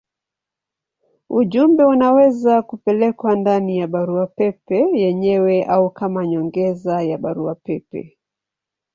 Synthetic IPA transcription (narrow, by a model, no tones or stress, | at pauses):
uʄumbɛunawɛzakupɛlɛkwandanijaɓaɾuapɛpɛjɛɲɛwɛʔaukamaɲɔŋɡɛzajaɓaɾuapɛpɛ̰